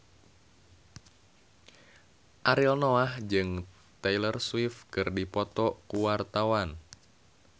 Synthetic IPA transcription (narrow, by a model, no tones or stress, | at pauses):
ʔaɾilnoahd͡ʒɨŋ | t̪ailərswifkɨrdipɔt̪ɔkuwart̪awan